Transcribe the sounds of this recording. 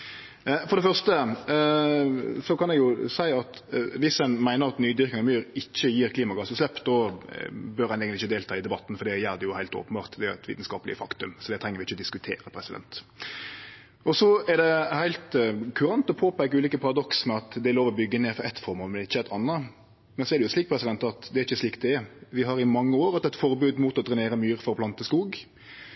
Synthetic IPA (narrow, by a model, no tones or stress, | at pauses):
fɔɾd̪ɛfœʁʂt̪ə | sɔkʰɑnɛɡjʊsæɪɑt̪ʋɪsɛnmæɪnəɾɑt̪nyːd̪ʏɾkɪŋɑmyːɾɪçːəjiːɾkʰliːmɑɡɑsəslɛpːd̪ɔ | bœɾɛnɛːɡət̪ɪçːəd̪eːlt̪ʰɑːɪd̪ɛbɑt̪ːn̩fɔɾd̪ɛjæːʁd̪ɛjʊhæɪlt̪o̰ːpən̩bɑːʁt̪d̪ɛʊæt̪ʰʋḭːt̪n̩skɑːpəlɪ̰əfɑkt̪ʉmsɔd̪ɛt̪ʰɾɛŋːəɾʋɪɪçːəɔd̪ɪskʉt̪ʰḛːɾəpʰɾɛsɪd̪ɛ̰nt̪ | ɔsɔɛɾd̪ɛhæɪlt̪kʰʉɾɑnt̪ɔpʰoːpæɪkːʉːliːkəpʰɑɾɑd̪ɔksmɛɑt̪d̪ɛloːʋɔbʏɡːəneːfɾɑɛt̪fɔɾmoːlmɛnɪçːəæɪt̪ʰɑnːə | mɛnsɔɛɾɖɛjʊsliːk̚pʰɾɛsɪd̪ɛnt̪ɑt̪d̪ɛæɾɪçːəsliːkt̪̚d̪ɛɛʋɪɦɑɾɪmɑŋːəoːɾɑt̪ɛt̪fɔɾbʉːd̪muːt̪ɔd̪ɾɛneːɾəmyːɾfɔɾɔpʰlɑnt̪əskuːɡ